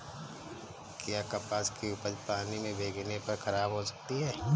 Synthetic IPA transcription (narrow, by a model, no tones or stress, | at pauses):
kjaːkɐpaːskiʊpəɾpaːnimẽbʱeːɡʱnepɐɾkʰɐɾaːbɦosɐ̥k̚t̪iɦɛː